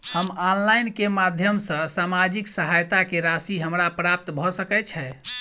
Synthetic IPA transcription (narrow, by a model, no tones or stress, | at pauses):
həmɔnlajnkemad̪ʱjəmsə̃samad͡ʒiksəɦajt̪akeɾasiɦəmɾapɾap̚t̪bʱɔsəkɛt͡ʃʰɛ